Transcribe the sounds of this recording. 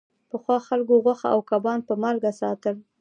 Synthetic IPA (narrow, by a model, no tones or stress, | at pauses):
pəxwɑxalɡoɣwaxa̰ʔawkabɑnpəmaɾɡasɑt̪əl